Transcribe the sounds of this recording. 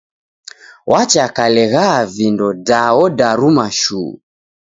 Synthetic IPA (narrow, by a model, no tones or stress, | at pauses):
wʔat͡ʃakalɛɣavindɔdaɔdaɾumaʃuː